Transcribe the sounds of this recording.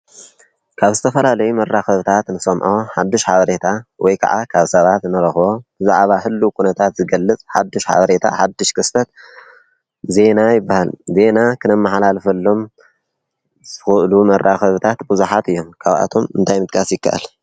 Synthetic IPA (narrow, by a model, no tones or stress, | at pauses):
kʰaβzɨt̪ʰɐfɐlalɐjumɐrːaxɐβɨt̪ʰat̪nɨsɐmʕoħad̪ːɨʃħaβɐɾe̞t̪ʰawʔɔjkʰa̰ʕʔa̰kʰaβsɐβat̪nɨɾɐxβo̞bɨzaʕβaħɨlːukʰunɐt̪ʰat̪zɨɡɐlːɨt͡sʼħad̪ːɨʃħa̰βɐɾe̞t̪ʰa̰ħad̪ːɨʃkʰɨst̪ʰɐt̪ | ze̞najɪbːahalze̞nakʰɨnɐmːaħlalfɐlːo̞m | z̥ɨxɨʔlumɐɾʔaxɐβɨt̪ʰat̪bɨzuħat̪ɨjːo̞mkʰaβʔa̰t̪ʰo̞mɨ̰nt̪ʰajmɨt̪ʼkʼasjɪkːa̰ʔɨ̰l